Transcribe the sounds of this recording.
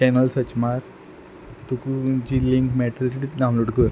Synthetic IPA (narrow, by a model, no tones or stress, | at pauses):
t͡ɕɛnəlsət͡ɕmaɾ | t̪ukd͡ʑiliŋkmɛʈəlʈiʈiɖaw̃loʈkəɾ